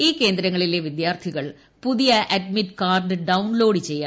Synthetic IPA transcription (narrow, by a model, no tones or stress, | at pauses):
iːke̞ːnd̪ɾɐŋːɐɭileʋid̪jaːrt̪ʰiɣɐɭ | puðijɐʔɐdmiʈkaːrɖɨɖɐwnlo̞ːɽɨt͡ɕe̞jːa